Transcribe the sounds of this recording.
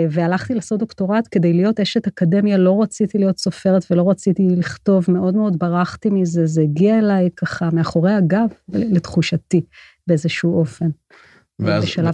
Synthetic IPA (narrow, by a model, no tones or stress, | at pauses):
vealaχt̪ilasodo̞kto̞ʁatke̞dejlijo̞teʃetakade̞mjalo̞ʁat͡sit̪ilijo̞tso̞fe̞ʁetvelo̞ʁat͡sit̪iliχto̞vme̞o̞dmeo̞dbaʁaχt̪imizezeiɡiaelajkaχameaχo̞ʁejaɡavletχuʃati | beezeʃuuʔo̞fe̞n | vbeʃala